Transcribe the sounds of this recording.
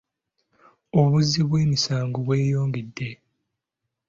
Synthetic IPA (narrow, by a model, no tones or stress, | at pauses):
oβuziβwe̞ːmisaːŋɡoβwe̞ːjoːŋɡedːe